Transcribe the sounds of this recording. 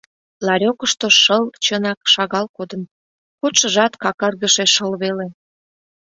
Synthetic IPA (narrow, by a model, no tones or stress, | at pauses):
lɑɾʲokəʃt̪oʃəlt͡ɕənɑkʃɑɣɑlkod̪ə̆m | koʃəʒɑt̪kɑkɑrɣəʃeʃəlβele